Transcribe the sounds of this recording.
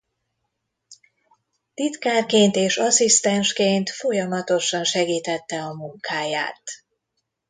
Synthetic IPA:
t̪it̪kaːrkeːnt̪eːʃɒsist̪ɛnʃkeːnt̪fo̞jɒmɒt̪o̞ʃɒnʃɛɡiːt̪ɛt̪ːɛɒmuŋkaːja̰ːt̪

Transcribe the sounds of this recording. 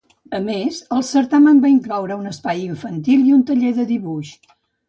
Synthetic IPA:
əmezəlˠsəɾt̪amənbaiŋklɔwɾəunəspajiɱfənt̪ilˠiunt̪əʎeðəðiβuʃ

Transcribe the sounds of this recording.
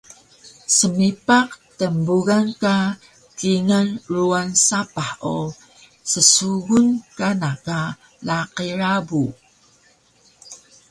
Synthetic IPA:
səmipaq̚təmbuɣanka | kiŋənruansapao | səsuɣunkanaka | laqiɾabu

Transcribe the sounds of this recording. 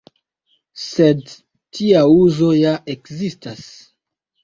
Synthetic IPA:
sed | tiauzo̞jaʔekzistas

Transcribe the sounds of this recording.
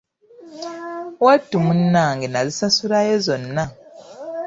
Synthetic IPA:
watːumunːaŋɡenazisasuɾajozonːa

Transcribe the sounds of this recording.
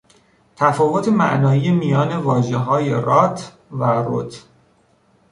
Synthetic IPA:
t̪ʰæfɒːvot̪ʰemæ̰ʔnɒːiːjemijɒːne̞vɒːʒeɦɒːje̞ɾɒːt̪ʰ | væro̰t̪ʰ

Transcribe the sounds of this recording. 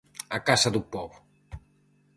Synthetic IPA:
akasaðupɔβu

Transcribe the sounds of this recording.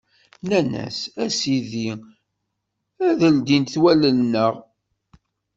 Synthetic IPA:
nænæ̰sæsiði | æðəld̪int̪θwælənːəʁ

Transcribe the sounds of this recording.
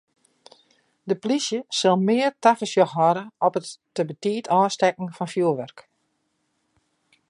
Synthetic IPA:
dəplisjəsɪlˠmɪːərtafəsjɔxɦɔɾəɔpətː | əbətiːtʰɔːstɛkn̩fɔnfjuəlˠʋœrk

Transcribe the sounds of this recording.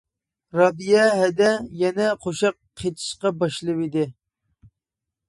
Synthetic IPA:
ɾɑb̪ijɛɦɛd̪ɛjɛnɛqʰoʃɑq̚ːʰet̪ʰi̥ʃqɑbɑʃlˠɨwid̪ɪ

